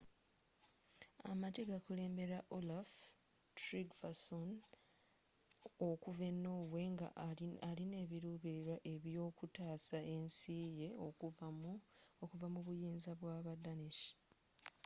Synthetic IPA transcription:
a̰mateɡakule̞ːmbe̞ɾaʔolaf | tɾiɡvason | okuve̞nːo̞ːwe̞ŋɡa̰aline̞ːβiɾuːβiɾiɾwaʔe̞βjo̞ːkutaːsaensiːje̞o | okuvamuβujiːnzaβwaːβadaniʃi̥

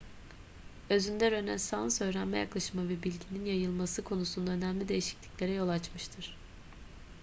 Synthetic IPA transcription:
ø̞zynd̪ɛɾø̞nænsanˠsø̞ːɾænmɛjaklˠaʃɯmavɛbilʲɟininjajɯlˠmasɯkʰo̞nusund̪aø̞næmlʲid̪e̞jiʃi̥clʲiclʲe̞ɾɛjo̞lˠat͡ʃmɯʃt̪ʰɯɾ̥

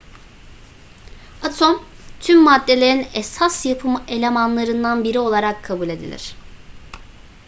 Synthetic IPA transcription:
at̪ʰomt̪ʰymːad̪ːe̞lʲe̞ɾinɛsasjapʰɯmelʲe̞manlˠaɾɯnd̪anbiɾio̞lˠaɾakʰːabulʲe̞d̪ḭlʲḭɾ̝̥

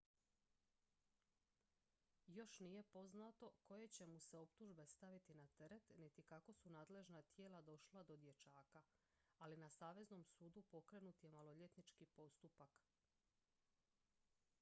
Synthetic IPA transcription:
jo̞ʃnije̞po̞znat̪o̞ko̞je̞t͡ɕe̞muse̞o̞pt̪uʒbe̞st̪aʋit̪inat̪eɾe̞t̪nit̪ikako̞sunaːd̪le̞ʒnat̪je̞ːlad̪o̞ʃlˠad̪o̞d̪je̞t͡ʃaːka | alinasaːʋe̞zno̞msuːd̪upo̞kɾe̞nut̪je̞malo̞ʎe̞t̪nit͡ʃkipo̞st̪upak

